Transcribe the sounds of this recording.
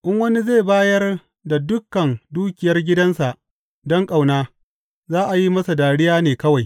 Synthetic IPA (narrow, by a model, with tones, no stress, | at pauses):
ʔɪ˦ŋwɐ˦ni˦ze˦˨baː˦jɐ˦r | da˨dʊ˦kːɐ˨nduː˦kʲɪ˨jɐ˦rɡʲɪ˦dɐ˦nsa˨ʔ | dɔ˦ŋkʼa˨wnaː˦ | zaː˦ʔa˨ji˦mɐ˦sa˨daː˨ɽɪ˦jaː˦neː˨kɐ˦wa˨j